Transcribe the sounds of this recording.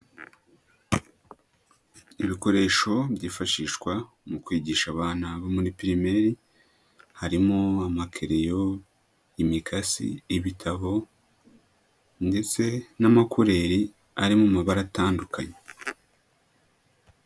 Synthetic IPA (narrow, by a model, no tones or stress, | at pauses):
iβiko̞ɾe̞ːʃo̞bɟiːfaʃiːʃkwa | mukwiːɟiːʃaβaːnaβomunipiɾime̞ɾi | haɾimoamakʰeɾe̞jo̞ | imikʰasḭiβitʰaβo̞ | nde̞t͡se̞namakuɾe̞ɾi | aɾimumaβaɾataːndukʰaɲe